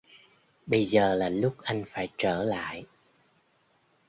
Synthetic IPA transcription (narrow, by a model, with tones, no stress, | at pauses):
ɓə˧jzəː˨˩laː˨˩lʊ˦˥k͡p̚ʔa˧jŋ̟faː˧˩jt͡ɕəː˧˩la̰ː˧˨j